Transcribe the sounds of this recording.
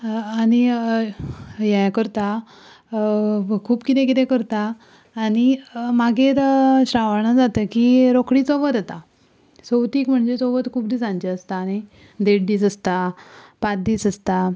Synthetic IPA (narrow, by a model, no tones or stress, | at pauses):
añi | jɛ̃kəɾt̪a | kʰuːbkit̪ɛ̃k̬it̪ɛ̃kəɾt̪aː | ñimaɡʱeɾɕɾaʋəɳad͡zat̪əkiɾokɽiːt͡soʋət̪at̪a | sowt̪iːkm̤əɳd͡zet͡soʋət̪kʰuːbd̪iːsãnt͡ɕeəst̪aːni | d̪eɽd̪iːsəst̪a | pat̪̚d̪iːsəst̪a